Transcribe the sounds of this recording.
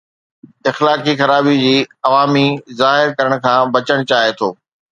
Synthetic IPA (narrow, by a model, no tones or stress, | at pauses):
ɪxlaːkixɐɾaːbid͡ʑiːɐʋaːmizaːɦɪɾkɐɾəɽ̃kʰãːbɐt͡ɕəɽ̃t͡ɕaːɦet̪ʰoː